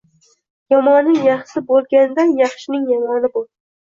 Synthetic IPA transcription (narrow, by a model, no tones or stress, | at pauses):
jɒmɒnːɪŋjɑχsɪbolˠɡʲand̪anjɑχʃɪnɪŋjɒmɒnɪbol